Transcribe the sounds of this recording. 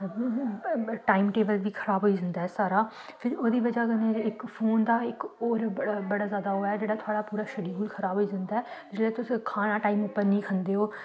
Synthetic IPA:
ʈaːimʈeːbəlʋiːkʰəɾaːbɦoːiːd͡ʒənd̪aːɦɛːsaːɾaː | pʰɪɾoːd̪iːʋəd͡ʒaːkəneːɪkpʰoːnd̪aːɪkɔːɾbəɽaːzjaːd̪aːɦoːaɛːd͡ʒeːɽaːt̪ʰoʊaːɽaːpuːɾaːʃəɽiːɦuːlkʰəɾaːboːiːd͡ʒɪnd̪aːɛːd͡ʒɪslɛːt̪ʊskʰaːnaːʈaːiːmʊpːəɾnəĩːkʰənd̪eːɦoː

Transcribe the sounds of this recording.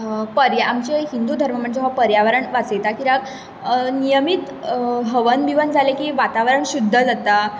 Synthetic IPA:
pəɾjaamt͡ɕeɦind̪ud̪ʱəɾməm̤əɳd͡zeɦapəɾjaʋəɾəɳʋat͡səjt̪akiɾaɡ | nijəmit̪ | ɦəʋənbiʋənd͡zʱalekiːʋat̪aʋəɾəɳɕud̪ʱːəd͡zat̪a

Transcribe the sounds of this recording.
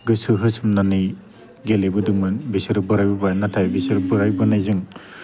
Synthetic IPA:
ɡɯsɯɦɯsɯmnanɯj | ɡelebɯdɯmɯnbisɯɾɯbɯɾajbɯbajnatʰajbisɯɾɯbɯɾajbɯnajzɯŋ

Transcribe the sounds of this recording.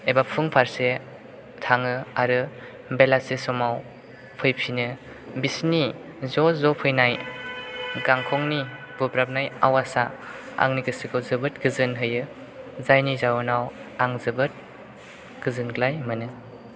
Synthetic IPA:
ebapʰɯŋpʰaɾse | tʰaŋɯaɾɯ | belasesɔmaw | pʰɯjpʰinɯ | bisni | zɔzɔpʰɯjnaj | ɡaŋkʰɔŋni | bubɾap̚naja̰wasaa̰ŋniɡɯsikʰɯwzɯbɯt̚ɡɯzɯnɦɯjɯ | zajnizawɯnawaŋzɯbɯt̚ | ɡ̥ɯzɯnɡlajmɯnɯ

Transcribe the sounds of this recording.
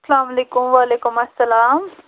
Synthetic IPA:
sɐlaːmɐleːkʊmwaːleːkʊmɐsːɐlaːm

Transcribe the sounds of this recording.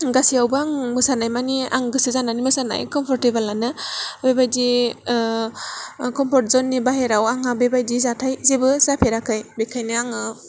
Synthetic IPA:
ɡasiawbɯaŋmɯsanajmania̰ŋɡɯsɯzananimɯsana̰jkɔmpʰɔɾtebalanɯbebajdi | kɔmpʰɔɾt̚zɔnːibaɦeɾawaŋabebajdizatʰajzebɯzapʰeɾakʰajbekʰajniaŋɯ

